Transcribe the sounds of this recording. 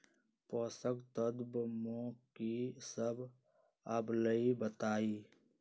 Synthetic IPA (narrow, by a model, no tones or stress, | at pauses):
poːsəɡt̪əd̪bmõkisəb | ɐbləibət̪aːiː